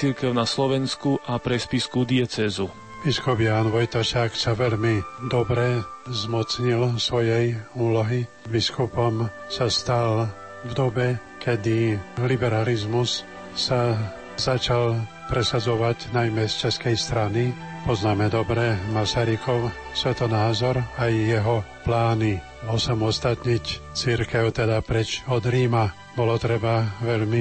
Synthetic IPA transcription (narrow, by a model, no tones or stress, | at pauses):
t͡siɾkɛʊnaslɔʋɛnskuʔapɾɛspiskud̪iɛt͡sɛːzu | biskubjaːnʋɔjt̪ɔʃaːksaʋɛʎmid̪ɔbɾɛ | zmɔt͡sɲilsʋɔjɛjuːlɔɦi | biskupɔm | sast̪al | vd̪ɔbɛ | kɛd̪ilibɛɾalizmus | sa | zat͡ʃal | pɾɛsad͡zɔʋaɟnajmɛst͡ʃɛskɛjst̪ɾani | pɔznaːmɛd̪ɔbɾɛmasaɾikɔʊsʋɛt̪ɔnaːzɔɾajːɛɦɔplaːni | ɔsamɔst̪at̪ɲict͡siɾkɛʊt̪ɛd̪apɾɛt͡ʃɔd̪ɾiːma | bɔlɔt̪ɾɛbaʋɛʎmi